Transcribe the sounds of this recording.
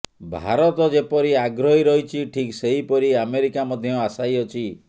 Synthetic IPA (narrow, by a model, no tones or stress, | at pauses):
bʱa̰ɾɔt̪ɔd͡ʒepɔɾiaɡɾɔɦiɾɔɦit͡ʃʰiʈʰikseɦipɔɾiameɾikamɔd̪ʱjɔasajɔt͡ʃʰi